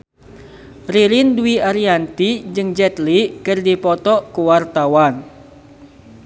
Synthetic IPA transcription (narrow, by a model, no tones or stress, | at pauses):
riɾinduiʔaɾiant̪id͡ʒɨŋd͡ʒɛt̪likɨrdipɔt̪ɔkuwart̪awan